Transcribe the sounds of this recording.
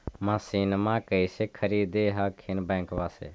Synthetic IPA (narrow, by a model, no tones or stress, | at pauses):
mãːsiːnmãːkəiseːkʰəɾiːd̪eːɦaːkʰɪnbɛ̃ːŋkʋaːsḛː